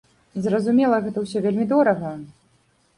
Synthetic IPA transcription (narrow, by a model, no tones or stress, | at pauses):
zrɐzumʲɛlˠɐɣɛt̪ɐwsʲɔvʲelʲmʲid̪ɔɾɐɣɐ